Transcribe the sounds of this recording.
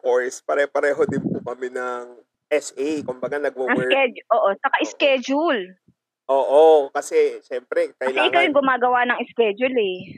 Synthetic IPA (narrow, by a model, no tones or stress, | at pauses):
kojspɐɾɛpɐɾɛːɦo̞d̪ɪnpʊkɐmɛnɐŋ | ʔɛsʔɛjkʊmbɐɡanɐɡ̚mɐnɐŋskɛd͡ʒʔoːʔot͡ʃɐkaʔɪskɛːd͡ʒʊl | ʔoːʔokɐsɛʃɛmpɾɛkɐɐɪlɛaʔɪŋkawjʊŋɡʊmaːɡɐwaʔnɐŋɪskɛːd͡ʒʊlɛ